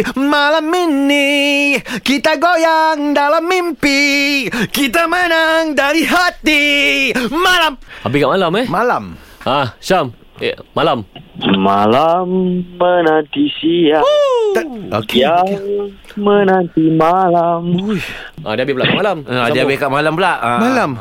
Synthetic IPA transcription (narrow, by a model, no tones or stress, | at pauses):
malamːini | kit̪aɡojaŋdalamːimpi | kit̪amənaŋdaɾiɦat̪i | malamabihkaʔmalamɛmalam | ʔasam | ḛːalamma̰lamːənant̪isia | o̰kaŋmənant̪imalamujʔa̰diabɪhpəlaʔkaʔmalamadiabɪkaʔmalampəlaʔmalam